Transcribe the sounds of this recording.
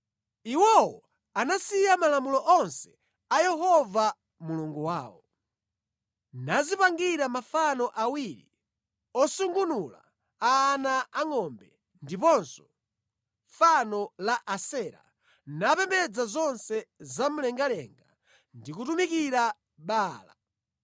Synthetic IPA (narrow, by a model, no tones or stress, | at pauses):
iwɔwɔ | anasijamalamulɔʔɔnsɛ̥ | ajɛɦɔva | muluŋɡuwaːwɔ | nazipaŋɡiɾamafanɔʔawiɾḭ | ɔsuŋɡunula̰ | aːnaaŋɔmbɛ | ndipɔnsɔ̥ | fanɔlaʔasɛɾa̰ | napɛmbɛd͡zazɔnsɛzam̩lɛŋɡalɛŋɡa | ndikutumikiɾa | ɓaːla̰